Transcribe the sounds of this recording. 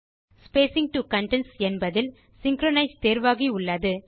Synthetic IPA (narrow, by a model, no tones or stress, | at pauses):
speːsɪŋ̚ʈukɐɳʈɛnsɛnbɐðɪl | sɪŋkɾɔnɐɪst̪eːɾʋaːɣiʊɭːɐðɯ